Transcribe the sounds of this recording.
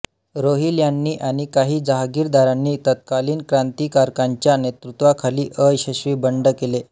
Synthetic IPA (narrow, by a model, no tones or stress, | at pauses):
ɾoɦiljanːiːʔaɽ̃ikaɦiːd͡zaɦɡiːɾd̪aɾanːiːt̪ət̪̚kaliːnkɾant̪iːkaɾkaɲt͡ɕjanet̪ɾut̪ʋakʰaliːʔəjɕəɕʋiːbəɳɖəkele